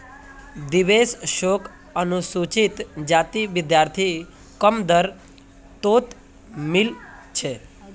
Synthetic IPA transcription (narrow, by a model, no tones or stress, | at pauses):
d̪iʋesʃok | ənusut͡ʃit̪d͡ʒat̪iʋɪd̪jaɾt̪ʰi | kəmd̪əɾ | t̪ot̪ | milt͡ʃʰe